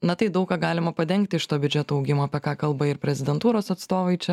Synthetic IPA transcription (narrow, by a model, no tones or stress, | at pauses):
nɐt̪ɐɪd̪ɐʊkɑːɡɑːlʲɪmɐpɐd̪ʲɛŋʲkt̪ʲɪʃt̪oːbʲʊd͡ʒʲɛt̪oːɐʊɡʲɪmoːɐpʲɛkɑːkɐlˠbɐɪɾpʲɾʲɛzʲɪd̪ʲɛnt̪uːɾoːsɐt̪st̪oːʋɐɪt͡ʃʲɛ